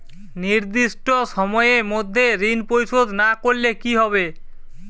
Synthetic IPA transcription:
niɾd̪iʃʈoʃɔmɔemod̪ʱːeɾinpojʃod̪nakoɾlekiɦɔβe

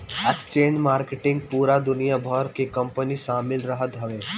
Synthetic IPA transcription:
ekst͡ʃẽːɲd͡ʒmaːɾkeʈɪ̃ŋɡ̚puːɾad̪ʊnijabʱɔɾkekɐ̃mpəniʃaːmɪlɾɐɦət̪ɦɐʋeː

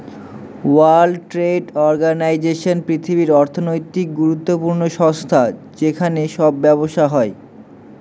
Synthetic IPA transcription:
walʈɾeɖɔɾɡanajd͡ʑeʃonpɾit̪ʰibiɾɔɾt̪ʰonojt̪ik̚ɡuɾut̪ːopuɾnoʃɔst̪ʰad͡ʑekʰaneʃɔbːɛβoʃaɦɔe

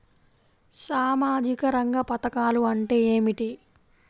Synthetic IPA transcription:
saːmaːd͡ʒikɐɾɐŋɡɐpɐt̪ɐkaːluɐɳʈe̞ːeːmiʈi

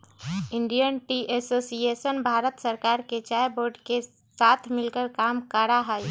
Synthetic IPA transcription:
iɳɖijənʈiʔesosijesənbʱaɾət̪səɾkaɾket͡ʃajboɾɖke | sat̪ʰmilkəɾkamkəɾaɦəj

